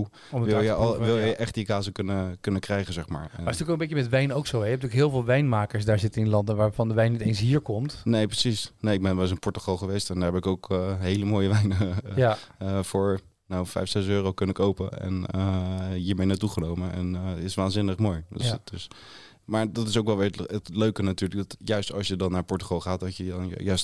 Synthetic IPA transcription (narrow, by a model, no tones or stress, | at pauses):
u | ʋɪlˠjəlʋɪlˠjəjʔɛχtikaːzəkɵnəkɵnəkrɛjχəzɛχma̰ːɹaɪstyːkokəmbejkəmɛtʋɛjnowksowɛjɛp̚tyːlkɦɪːlˠvɪːlˠʋɛjnmaːkəɹsdaːɹzɪtəɪnlɑndəʋaːɹvɑndəʋɛjnːitejnsɦiːɹkɔmtnejprəsisnejɪɡ̚bɛnʋɛlɪs̬ə̃npɔɹtəχɔlˠχəʋejstɛndaːɹɦɛpɪkowkɦejləmoːjəʋɛjnə | fʊːɹ | nawfɛ̰jfsɛsøːrowkənəɪkowpəɛ̰nəɦiːɹmejnaːtuχənowməɛ̰ntɪsʋaːnzɪnəχmoːjdəsdəs | maːɹdɑtɪsowkʋɛlˠʋɪːɹətløɥkənatyːɹlək̚dɑtjœɥstɑ̰lˠsjədɑnːaːɹpɔɹtəχɑlˠχaːtdɑtjənjœɥst